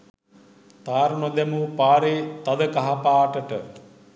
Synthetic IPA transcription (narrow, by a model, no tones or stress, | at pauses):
t̪aːɾnod̪emupaːɾeːt̪ɐd̪əkɐɦɐpaːʈəʈə